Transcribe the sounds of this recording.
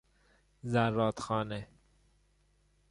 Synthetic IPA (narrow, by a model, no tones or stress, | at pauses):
zæɾːɒːt̪xɒːne